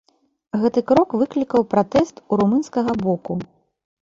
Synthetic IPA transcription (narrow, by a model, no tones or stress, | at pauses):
ɣɛt̪ɨkɾɔkvɨklʲikɐwpɾat̪ɛst̪uɾumɨnskɐɣɐbɔku